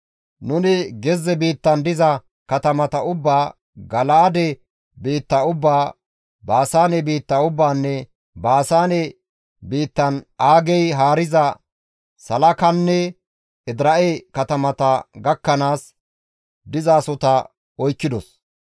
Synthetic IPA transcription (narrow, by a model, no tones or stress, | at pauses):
nʊnɪɡɛzːɛbiːt̪ːɐnd̪ɪzɐ | kɐt̪ɐmɐt̪ɐʊbːaː | ɡɐlaːd̪ɛ | biːt̪ːɐʊbːaː | baːsaːnɛbiːt̪ːɐʊbːaːnːɛ | baːsaːnɛ | biːt̪ːɐnaːɡɛjɦaːɾɪzɐ | sɐlɐkɐnːɛ | ɪd̪ɾɐʔekɐt̪ɐmɐt̪ɐɡɐkːɐnaːs | d̪ɪzaːsɔt̪ɐ | ɔjkːɪd̪ɔs